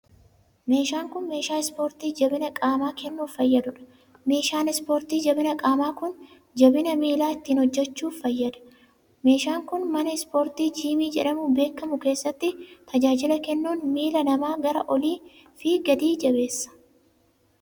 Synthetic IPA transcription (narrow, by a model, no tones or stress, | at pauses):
me̞ːʃaːŋkʊnme̞ːʃaːɪspoːɾt̪iːd͡ʒɐbɪnɐkʼaːmaːkɛnːuːfɐjːɐd̪ʊᶑɐ̥ | me̞ːʃaːnɪspoːɾt̪iːd͡ʒɐbɪnɐkʼaːmaːkʊn | d͡ʒɐbɪnɐmiːlaːɪt̪ːiːnhɔd͡ʒːɛt͡ʃːuːfɐjːɐd̪ɐ̥ | me̞ːʃaːŋkʊnmɐnɐɪspoːɾt̪iːd͡ʒiːmiːd͡ʒɛᶑɐmube̞ːkːɐmʊke̞ːsːɐt̪ːɪt̪ɐd͡ʒaːd͡ʒɪlɐkɛnːuːnmiːlɐnɐmaːɡɐɾɐʔɔliː | fiːɡɐd̪iːd͡ʒɐbe̞ːsːɐ̥